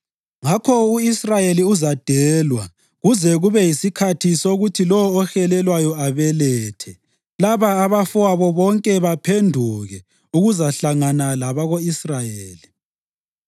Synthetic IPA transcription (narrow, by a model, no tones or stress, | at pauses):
ŋakʰɔuisrajeliuzad̥ʱɛːlwa̰ | ɣuzɛɣuβɛjisikʰatʰisoɣutʰilɔwɔːxɛlɛlwajɔaβɛlɛːtʰɛ | laβaːβafuaβɔβɔŋkʼɛβapʰendʱuɣɛ | uɣuzaɬaŋanalaβaɣoisrajeːli